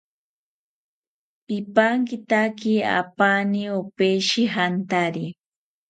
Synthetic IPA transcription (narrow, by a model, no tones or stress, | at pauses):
pɪpaŋkɪt̪akia̰paniopeʃiɦant̪aɾi